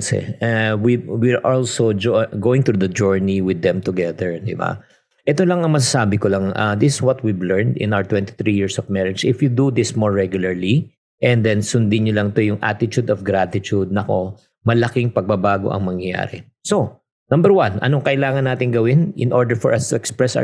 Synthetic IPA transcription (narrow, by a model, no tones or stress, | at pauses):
sɛ̰wiwiɹʔɔlsod͡ʒɡoːwɪ̃ŋt̪ɾud̪ɐd͡ʒuɹniwɪd̪ːɛ̃mt̪ʊɡɛðɛɹd̪ɪ̰ba̰ | ʔɛt̪olɐŋɐŋmɐs̬asaːbɪkolɐŋa̰d̪ɪsɪ̥swɔt̪̚wivlɛɹnd̪ɪ̰nawəɹt̪wɛ̃nt̪ɪ̥θɹijiɹsɔvmɛɹɪd͡ʒɪfjud̪ud̪ɪsmoɹːɛɡjʊlɐɹli | ʔɛ̃nd̪ɛnsʊnd̪ɪɲolɐŋt̪ojʊŋʔa̰t̪ɪt̪ud̪ɔfɡɾat̪ɪt̪ud̪̚nɐko̞ | mɐlɐkɪŋpɐɡ̚bɐbaːɡo̰ʔɐ̰ŋmɐŋjɐja̰ːɾɛ | so | nɐ̃mbɛɹwãnɐ̰noŋkɐʔɪlaːŋɐnːaːt̪ɪŋɡɐwɪnʔɪnʔɔɹd̪ɛɹfɔɹʔɐst̪ʊɛkspɹɛsa̰